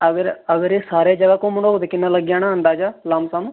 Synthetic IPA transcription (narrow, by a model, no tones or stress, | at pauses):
əɡəɾəɡəɾeːsaːɾeaːd͡ʒəɡaːkõːməɳoːoːd̪eːkɪnːãːləɡjaːnaːɦənd̪aːd͡ʒaːlaːmsaːnũː